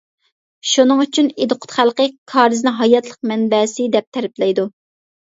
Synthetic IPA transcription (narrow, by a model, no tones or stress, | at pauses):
ʃunɨŋyt͡ʃʰyned̪ɨqʰʊ̥t̪χælˠqəkʰɑːɾɨznɪŋɦɑjɑt̪lˠəq̚mɛnbɛsɪd̪ɛp̚t̪ʰæɾɪplɛjd̪u